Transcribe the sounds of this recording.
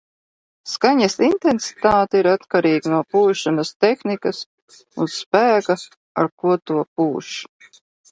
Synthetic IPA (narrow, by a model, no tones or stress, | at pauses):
skaɲasint̪ensi̥t̪aːt̪iɾat̪kaɾiːɡnuɔpuːʃanast̪exnikɐs | unspæːɡa | a̰ɾkuɔt̪uɔp̚uːʃ